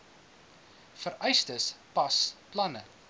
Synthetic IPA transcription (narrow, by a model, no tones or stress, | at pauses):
fəɾœɥstəspɐsplɐnə